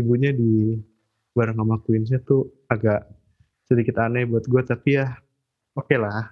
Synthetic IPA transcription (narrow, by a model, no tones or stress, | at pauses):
ibuɲadi | baɾaŋamakuɪns̬at̪u | aɡaʔ | sədikɪt̪anajbuat̪̚ɡuat̪apijah | okelah